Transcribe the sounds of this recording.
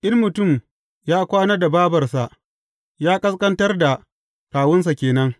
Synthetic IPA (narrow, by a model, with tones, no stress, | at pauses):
ʔɪ˦rmʊ˨tʊ˦˨m | jaː˦kʷaː˦nɐ˦rda˨baː˦bɐ˨rsa˨ʔ | jaː˦kʼɐ˦skɐ˦ntɐ˦rda˨ | kaː˨wʊ˦ns̬a˨kʲeː˨nɐ˦ŋ